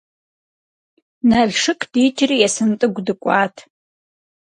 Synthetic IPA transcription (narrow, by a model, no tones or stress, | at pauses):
nɐɮʂɨkʼʰd̥it͡ʃʰʼrijɛsɨntʼɨɡʷdɨkʷʼaːtʰ